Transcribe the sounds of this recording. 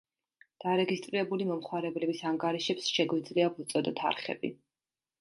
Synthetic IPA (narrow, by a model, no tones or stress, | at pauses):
d̪̥aɾɛɡist̪ʼɾiɾɛbulimɔmχwaɾɛblɛbisaŋɡaɾiʃɛpsʃɛɡwid̪zliapʰut̪sʼɔd̪ɔt̪ʰa̰ɾχɛ̰bḭ